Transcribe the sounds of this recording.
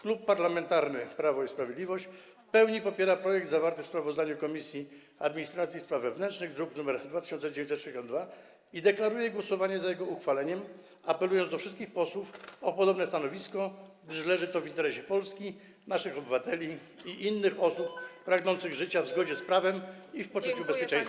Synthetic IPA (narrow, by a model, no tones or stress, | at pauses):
klupːaɾlamɛnt̪aɾnɘpɾavɔispɾavʲjed̪lʲivɔɕt͡ɕ | fpɛwɲipɔpʲjɛɾapɾɔjɛɡ̚d̪zavaɾt̪ɘfspɾavɔzd̪aɲukɔmʲisʲji | a̰d̪mʲiɲist̪ɾat̪sʲjispɾavːɛvnɛntʂnɘɣd̪ɾuknumɛɾd̪vat̪ɘ̥ɕɔnt̪sɛd͡ʑevẽɲt̪sɛt̪ːʂid͡ʑeɕ̬ɔnd̪va | id̪ɛklaɾujɛɡwɔsɔvaɲɛzajɛɡɔuxfalɛɲɛm | apɛlujɔnzd̪ɔfʂɘst̪kʲixpɔswufɔpɔd̪ɔbnɛst̪anɔvʲiskɔɡd̪ɘʂlɛʐɘt̪ɔvint̪ɛɾɛɕɛpɔlskʲi | naʂɘxɔbɘvat̪ɛlʲi | iʔinːɘxɔsup̚ːɾaɡnɔnt̪sɘɣʐɘt͡ɕavzɡɔd͡ʑɛspɾavɛmifpɔt͡ʂut͡ɕubɛspʲjɛt͡ʂɛ̃j̃s